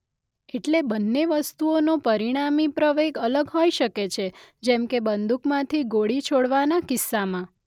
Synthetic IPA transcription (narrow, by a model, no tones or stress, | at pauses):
eʈlebənːeʋəst̪uonopəɾiɽ̃amipɾəʋeɡələɡɦojʃəket͡ʃʰed͡ʒɛmkebənd̪ukmãt̪ʰiɡoɽit͡ʃʰoɽʋanakɪsːamã